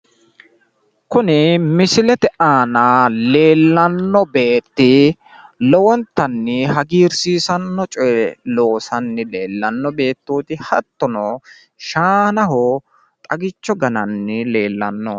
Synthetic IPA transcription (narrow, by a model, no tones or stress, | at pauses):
kʊnɪmɪsɪlɛt̪ɛʔaːnale̞ːlːɐnːɔbe̞ːt̪ːɪ | lɔwɔnt̪ːɐnːɪɦɐɡiːɾsiːsɐnːɔt͡ʃʼɔjlo̞ːsɐnːɪle̞ːlːɐnːɔbe̞ːt̪ːuːt̪ɪhɐt̪ːɔnɔ | ʃaːnɐɦɔ | t̪ʼɐɡɪt͡ʃːɔɡɐnɐnːɪle̞ːlːɐ̰nːɔ̰